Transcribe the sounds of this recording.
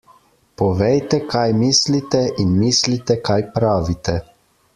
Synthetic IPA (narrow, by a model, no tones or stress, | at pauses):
pɔʋɛjt̪ɛkʰajmiːslit̪ɛʔinmiːslit̪ɛkajpɾaːʋit̪ɛ